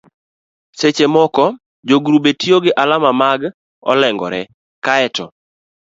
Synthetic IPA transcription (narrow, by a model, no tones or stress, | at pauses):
set͡ʃemɔkɔ | d͡ʒoɡɾubetioɡɪʔalamamaɡ | ɔ̰lɛŋɡɔ̰ɾɛ | kaɛtɔ